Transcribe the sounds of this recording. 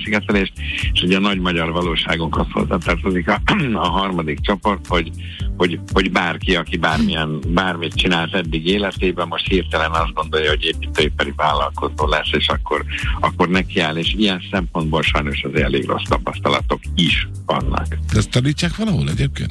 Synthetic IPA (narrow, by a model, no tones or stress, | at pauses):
siɡɛt̪ɛleːʃt̪eʃouɟɛnɒɟmɒɟɒrvɒloːʃaːɡuŋkɒsho̰zːaːt̪ɒrt̪o̞zikɒɒɦɒrmɒd̪ikt͡ʃo̞po̞rt̪ho̞ɟ | ho̞ɟho̞ɟbaːrkiɒkibaːrmijɛnbaːrmit̪̚t͡ʃinaːlt̪ɛd̪ːiɡeːlɛt̪eːbɛmo̞ʃt̪hirt̪ɛlɛnɒzd̪̚ɡo̞nd̪o̞jɒɦo̞ɟeːpːit̪ːøepːɛɾivaːlːɒlko̞zoːlɛsːeːʃɒkːo̞rɒkːo̞rnɛkiaːleːʃijɛnsɛmpo̞nd̪bolʃɒjno̞ʃɒzɛleːɡro̞̰st̪ɒpɒst̪ɒlɒ̰t̪o̞kiʃ | vɒ̰nːɒ̰kd̪ɛst̪ːɒniːcːaːkʋɒlɒɦolɛɟeːp̚kḛːnt̪